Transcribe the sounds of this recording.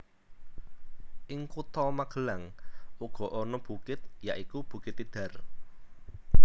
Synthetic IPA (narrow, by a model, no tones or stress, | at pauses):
ʔɪŋkut̪ɔmaɡ̥ə̤laŋʔuɡ̥ɔ̤ʔɔnɔb̥ṳkɪt̪̚jaʔikub̥ṳkɪt̪id̪̥a̤r